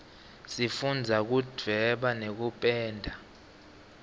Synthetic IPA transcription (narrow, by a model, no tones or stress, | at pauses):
sifund͡zʱak̬ud͡vʱvʱɛɓanek̬upʼɛːndʱa